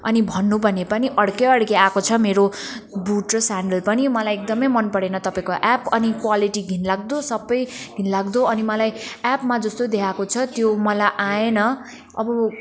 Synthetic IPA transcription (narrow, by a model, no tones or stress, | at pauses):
ʌnibʱʌnːubʱʌnepʌniʔʌɽkeʌɽkeakot͡sʰʌmeɾobuʈrʌsaɳɖʌlpʌnimʌlajek̚d̪ʌmʌjmʌnpʌɽenʌt̪ʌpaĩkoʔapʌnikwaliʈiɡʱinlaɡ̚d̪osʌbːʌjɡʱinlaɡd̪oʌnimʌlajapmad͡zʌst̪od̪ekʰakot͡sʰʌt̪jomʌlajʔãenʌ | ʌ̰bʌ